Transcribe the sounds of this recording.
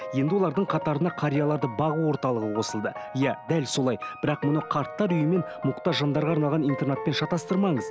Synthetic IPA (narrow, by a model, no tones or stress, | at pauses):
je̞nd̪ɪwo̞lˠɑɾd̪əɴqʰɑt̪ɑɾənɑqʰɑɾʲijɑlˠɑɾd̪əbɑʁuwo̞ɾt̪ɑlˠəʁəqʰo̞səlˠd̪əjɑd̪ælso̞lˠɑjbɪɾɑqmʊnəqʰɑɾt̪ːɑɾʏjəme̞n | mʊqt̪ɑʒɑnd̪ɑɾʁɑːɾnɑlˠʁɑnijnt̪e̞rnet̪̚pe̞nʃɑt̪ɑst̪əɾmɑɴəz